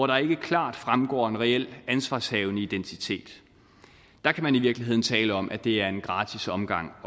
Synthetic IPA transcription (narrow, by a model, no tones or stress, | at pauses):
ɒɾ̥ɑ̈e̝ɡ̥əkʰlɑ̰̈ːd̥fʁamɡ̥ɒ̰ːe̝nʁɛel̰ænsʋɑ̰̈ːshɛːʊnəid̥ent͡sʰit͡sʰe̝̰ːd̥ | ɑ̈kʰæmæniʋiɐɡ̥liɦe̝ð̰ˠn̩t͡sʰɛːləɒ̽mʔæd̥e̝æɐe̝nɡ̥ʁɑ̈ːt͡sʰisɒ̽mɡ̥ɑ̈ŋ̰